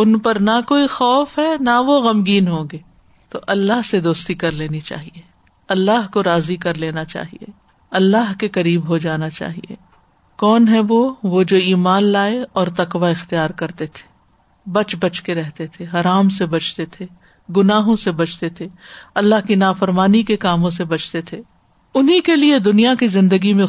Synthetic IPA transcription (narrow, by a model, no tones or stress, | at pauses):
ʊnpɐɾnakoːixɔːfɦɛnaʋoɣɐmɡiːnɦõːɡeː | t̪oʔɐlːaɦsed̪oːst̪ikɐɾleːnit͡ʃa̰ːɦie | ɐlːaɦkoɾaːzikɐɾleːnat͡ʃa̰ːɦḭḛ | ɐlːaɦkekɐɾiːbɦod͡ʒaːnat͡ʃa̰ːɦḭḛ | kɔːnɦɛʋoʋod͡ʒoːiːmaːnlaːeɔːɾt̪ɐkʋaɪxt̪ijaːɾkɐɾt̪et̪ʰe̥ː | bɐt͡ʃbɐt͡ʃkeɾɛɦt̪et̪ʰeɦɐɾaːmsebɐt͡ʃt̪et̪ʰe | ɡʊnaːɦõsebɐt͡ʃt̪et̪ʰeɐlːaɦkinaːfəɾmaːnikekaːmõs̬ebɐt͡ʃt̪et̪ʰeː | ʊnɦikelied̪ʊnijakizɪ̃nd̪əɡimẽ